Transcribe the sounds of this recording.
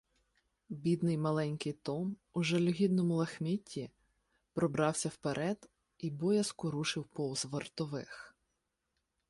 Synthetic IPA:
bʲid̪nɪjmɐlˠɛnʲkɪjt̪ɔmʊʒɛlʲʊɦʲid̪̚nɔmʊlˠɐxmʲitʲːi | pɾɔbɾɑwsʲɐwpeɾʔɛd̪̥ | ibɔjɐskʊɾuʃɪwpɔwzʋert̪ɔʋɪx

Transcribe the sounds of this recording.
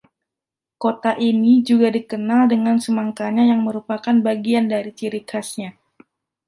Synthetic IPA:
kot̪aʔinid͡ʒuɡadikənaldəŋansəmaŋkaɲajaŋməɾupakanbaɡiandaɾit͡ʃiɾikʰasɲa

